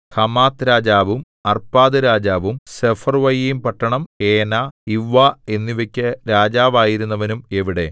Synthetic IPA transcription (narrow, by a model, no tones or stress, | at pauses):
hɐmaːt̪ɾaːd͡ʑaːʋum | ɐrpaːðɨɾaːd͡ʑaːʋumsefɐrʋɐjjmpɐʈːɐɳɐmeːnaːiʋːae̞nːiʋekʲːɐɾaːd͡ʑaːʋaːjiɾunːɐʋɐnume̞ʋiɽe̞